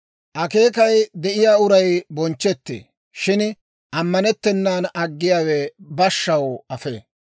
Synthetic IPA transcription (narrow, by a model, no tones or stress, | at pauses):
ʔɐke̞ːkɐjd̪ɛʔɪjaːʊɾɐjbɔnt͡ʃːɛt̪ːḛ | ʃɪn | ʔɐmːɐnɛt̪ːɛnːaːnɐɡːɪjaːwɛbɐʃːɐwɐfḛː